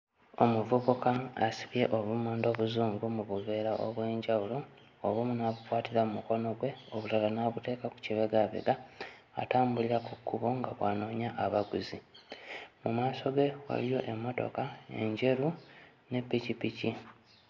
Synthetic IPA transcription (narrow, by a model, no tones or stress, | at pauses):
o̞muvuβukaːsi̥βje̞ʔoβumuːndo̞ːβuzuːŋɡumuβuβe̞ːɾaʔoβwe̞ːɲɟawulo̞ː | βumunaβukwaːtiɾamumuko̞no̞ɡwe̞oβulalanaβute̞ːkaku̥ciβeɡaβḛɡa̰ːtaːmbuliɾakukːuβo̞ŋɡaβwaːno̞ːɲaʔaβaɡuzi | mumaːso̞ɡe̞wa̰lijo̞̰ʔe̞mːo̞to̞̰kae̞̰ɲɟe̞ɾu | ne̞pːicipici